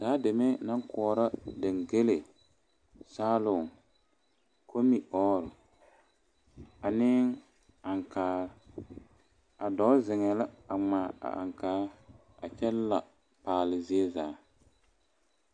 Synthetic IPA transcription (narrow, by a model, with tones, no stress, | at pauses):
saː˨˦dɪ˨me˦na˦ŋ˦kʰɔː˨ɾa˦dɪ˨ŋɡe˦le˨ | saː˦lʊ˨ŋ | kʰo˦mi˨ʔɔː˦ɾʊ˨ | a˨nɪ˦ŋ | a˨ŋkʰaː˨˦ | a˨dɔ˨˦zɪ˨ŋɛ˨la˦a˨ŋ͡maː˨a̰˨ʔa̰˨ŋkaː˦ | a˨t͡ʃɛ˦lla˨ | paː˨lɪ˨zi˦ɛ˦zaː˨˦